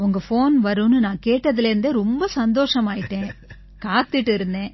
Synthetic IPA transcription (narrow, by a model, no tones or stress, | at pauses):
ʊŋɡɐfoːnʋɐɾɯnɯnãːkeːʈːɐðɪleɾɯnd̪eɾɔmbɐsɐnd̪oːʂɐmaːjɪʈːẽː | kaːt̪ːɯʈːɯɪɾɯnd̪ẽː